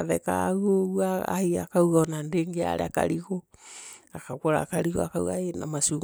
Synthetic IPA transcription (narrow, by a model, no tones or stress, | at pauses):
aðɛka̰oɣwaa̰ia̰kauɣaɔnandeːŋɡea̰ɾḛaka̰ɾiɣo | akakoɾa̰kaɾiɣɔ̰akawɣaenamasuːŋ